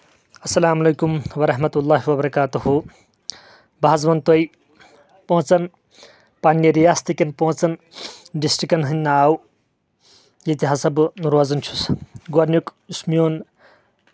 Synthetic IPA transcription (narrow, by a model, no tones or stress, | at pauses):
ɐsːɐlaːmɐlejkumwɐɾɐɦmɐt̪ulːaːɦiwɐbɐɾɐkaːt̪uɦu | baːzmɐnt̪oj | põːt͡sɐn | panːiɾijaːst̪ikɐnpõːt͡sɐn | ɖisʈɾikɐnɦɨnːɐaw | jet̪iɦɐsɐbnuɾwad͡zɐnt͡ʃʰu̥sɡoɾnjukismijoːn